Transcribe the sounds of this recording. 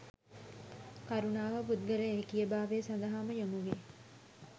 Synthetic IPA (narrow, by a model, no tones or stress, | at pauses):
kaɾunaːʋəput̪̚ɡəɾəːkijəbaːʋeːsand̪ɐɦaːməjomuʋe